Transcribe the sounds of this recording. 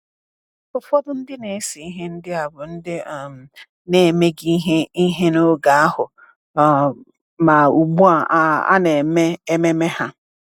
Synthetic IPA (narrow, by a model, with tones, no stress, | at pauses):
fʊ˨fɔ˦bʊ˦n̩˦dɪ˦ne˨˦si˨i˦ɦe˦n̩˦dɪ˦a˨bʊ˨n̩˦dɪ˦˨m̩˨ | ne˨me˦ɡi˦ɦe˦i˦ɦe˦no˦ɡa˨a˦ɦʊ˨ | ma˨u˨ɡ͡bu˦a˨˦a̰˦ne˨me˦e˦me˦me˦ha˦